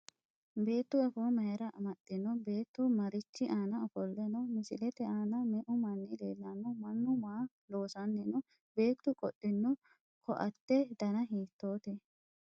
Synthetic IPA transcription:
be̞ːt̪ːʊɐfoːmɐjɛɾɐʔɐmɐt̪ʼːɪnːʊbe̞ːt̪ːʊmɐɾɪt͡ʃːɪʔaːnɐɔfɔlːɛnɔmɪsɪlɛt̪ɛʔaːnɐmɛʔʊmɐnːɪlḛːlːɐnːɔmɐnːʊmaː | lo̞ːsɐnːɛnɔ | be̞ːt̪ːʊkʼɔɗːɪnːʊ | kʰɔ̰ʔɐt̪ːɛd̪ɐnɐɦiːt̪ːo̞ːt̪ɛ

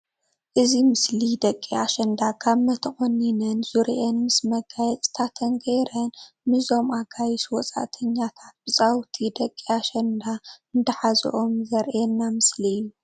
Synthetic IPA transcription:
ʔɨzimɨslid̪ɐkʼːiaʃɐnd̪akʰaβmɐt̪ʰɐχʼonːinɐnzuɾiʔenmɨsmɐɡajɛt͡sʼt̪ʰat̪ʰɐnɡɐjɾɐn | mɨzo̞mʔaɡajiswɔt͡sʼa̰ʔt̪ʰɐɲːat̪ʰat̪̚b̥ɨt͡sʼawt̪ʰid̪ɐkʼːiaʃɐnd̪aɨnd̪ɐħazɨ̰ʔomzɐɾʔɛnːamɨsliɨjːu

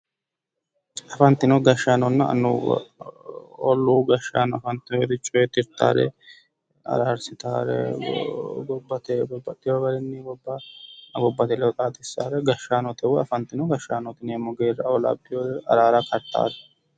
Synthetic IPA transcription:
ɐfɐnt̪ːɪnɔɡɐʃːaːnɔnːɐɐ̰nːṵ | ɔ̰lːuːɡɐʃːa̰ːnɔɐfɐnt̪ːɪnɔɛd̪ɪt͡ʃʼːɔjɛt̪ɪɾt̪ːa̰ːɾɛ̰ | ɐ̰ɾaːɾsɪt̪aːɾɛ̰ | ɡɔbːɐt̪ɛbɔbːɐd̪ɪjɔɡɐɾɛnːɪɡɔbːaɡɔbːɐt̪ɛlɛt̪ʼaːt̪ɪsːaːɾɛɡɐʃːaːnɔt̪ɛwɔɐfɐnt̪ːɪnɔɡɐʃːaːnɔt̪ɪneːmɔɡeːrɐɔlɐ̰bːɪjɔɛɐɾaːɾɐkʰɐɾt̪ːa̰ːɾɛ

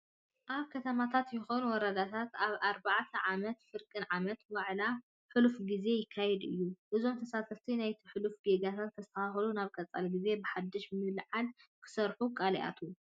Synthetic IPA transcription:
ʔaβkʰɐt̪ʰɐmat̪ʰat̪jɪxonuwɔɾɐd̪at̪ʰat̪aβaɾbaʕt̪ʰɐʕamɐt̪fɨɾkʼɨnʕamɐt̪waʕla | ħɨlufɡize̞jɪkʰːajɛd̪ɨ̰jːuʔɨzo̞mt̪ʰɐsat̪ʰɐft̪ʰinajt̪ʰiħɨlufɡeɡat̪ʰat̪̚kʰɐzt̪ʰɐaxlunaβkʼɐt͡sʼa̰lɡize̞bɨħad̪ːɨʃmɨlʕankʰɨ̥sɐɾħukʼaliʔa̰t̪ʰu

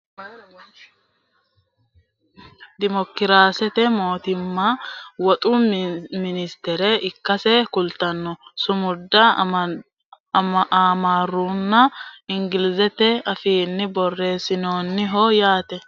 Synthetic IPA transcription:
d̪ɪmɔkːɪɾaːsɛt̪ɛmo̞ːt̪ɪmːawɔt̪ʼʊmɪnɪst̪ɛɾɛɪkːɐsɛkʊlt̪ɐnːɔsʊmʊd̪ːɐ | aːmaːrːuːnːɐɪŋɡɪlɪzɛt̪ɛɐfiːnːɪbɔrːe̞ːsɪno̞ːnːɪɦɔjaːt̪ɛ

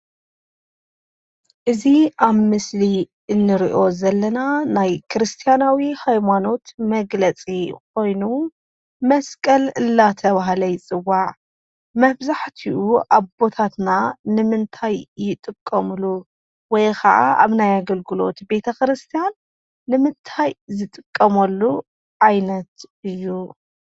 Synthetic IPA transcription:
ʔɨziʔaβmɨsli | ɨnːɨɾiʔo̞zɐlːɐnanajkʰɨɾɨst̪ʰijanawihajmano̞t̪mɐɡlɐt͡sʼik̚ʰo̞jnu | mɐskʼɐlɨlːat̪ʰɐβaɦlɐjt͡sʼɨwːaʕ | mɐβzaħt̪ʰiʔuʔaβbo̞t̪ʰat̪nanɨmɨnt̪ʰajːɪt̪ʼɨkʼːɐmɨlu | wɔjkʰɐ̰ʔa̰ʔa̰βnajaɡɐlɡɨlo̞̰t̪be̞t̪ʰɐkɨɾɨst̪ʰijanː | ɨmɨnt̪ʰajzɨt̪ʼɨkʼːɐmɐlːu | ʕajnɐt̪ɨjːu

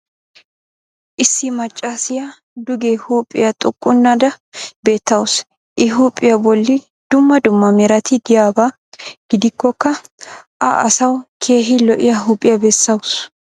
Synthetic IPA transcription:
ʔɪsːɪmɐt͡ʃʼːaːsɪjɐ | d̪ʊɡehuːpʼːɪjɐt̪ʼʊkʼːʊnːɐd̪ɐbe̞ːt̪ːɐwʊs | ʔɪɦuːpʼːɪjɐbɔlːɪ | d̪̥ʊmːɐd̪ʊmːɐmɛɾɐt̪ɪd̪ɪjaːbaː | ɡ̥ɪd̪ɪkːɔkːɐʔɐʔɐsɐwkʰe̞ːɦɪlɔʔɪjɐɦupʼɪjɐbɛsːɐwʊs

